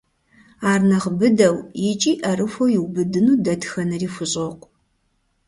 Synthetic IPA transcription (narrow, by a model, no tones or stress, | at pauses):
aːrnɐʁbɨdɐwjɪt͡ʃʼiːʔɐrɨfʷowjɪwbɨdɨnuːdɐtxɐnɨriːfʷʊɕʼoqʷʼ